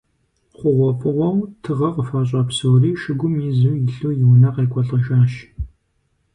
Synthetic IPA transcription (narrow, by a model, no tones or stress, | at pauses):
χʷʊʁʷɔpʼɨʁʷɔwtʰɨʁɐqəfɐɕ̬ʼɐpsowriːʃɨɡʷʊmiːzuwjɪɬuːjɪwnɐqeːkʷʰʼɔɬʼɐʃaːʃ